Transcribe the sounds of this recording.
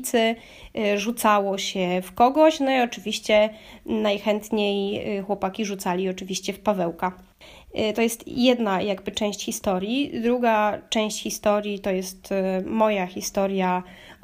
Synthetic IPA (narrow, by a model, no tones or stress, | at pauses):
t̪sɘ | ʐut̪sawɔɕɛfkɔɡɔɕnɔiɔt͡ʂɘvʲiɕt͡ɕɛnajxɛnt̪ɲejxwɔpakʲiʐut̪salʲiɔt͡ʂɘvʲiɕt͡ɕɛfpavɛwka | t̪ɔjɛst̪jɛd̪najaɡbɘt͡ʂɛ̃w̃ɕt͡ɕxʲist̪ɔɾʲjid̪ɾuɡat͡ʂɛ̃w̃ɕt͡ɕxʲist̪ɔɾʲjit̪ɔjɛst̪mɔjaxʲist̪ɔɾja